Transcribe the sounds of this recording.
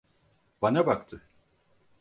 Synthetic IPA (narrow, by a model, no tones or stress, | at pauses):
banabakt̪ʰɯ